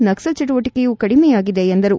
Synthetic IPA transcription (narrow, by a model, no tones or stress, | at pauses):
nɐksɐlt͡ʃɐʈ̬uʋɐʈikejuːkɐɽimɛjaːɡid̪e̞ːnd̪ɐɾu